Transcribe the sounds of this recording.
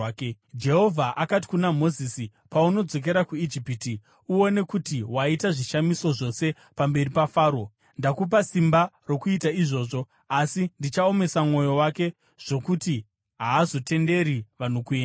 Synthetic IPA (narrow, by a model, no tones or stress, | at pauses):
d͡ʒe̞ɦo̞vʱaʔakat̬i̥kunamo̞zisi | pauno̞d͡zo̞k̬e̞ɾakuid͡ʒipiti | uo̞ne̞kutiwaitaʐiʃamiso̞ʐo̞se̞ | pambe̞ripafaːɾo | ndakup̬asimbaro̞kuitaiʐo̞ːʐo̞ | asindit͡ʃao̞me̞samŋo̞jo̞wake̞ | ʐ̥o̞kuti | ɦaːzo̞te̞nde̞ɾiʋan̤ukuena